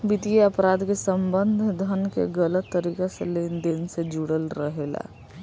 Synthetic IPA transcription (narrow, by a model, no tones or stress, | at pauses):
bit̪ieəpɾad̪kesəmbənd̪ʱd̪ʱənkḛɡələt̪ːəɾikasḛlend̪ensed͡ʒuɽəlɾəɦela̰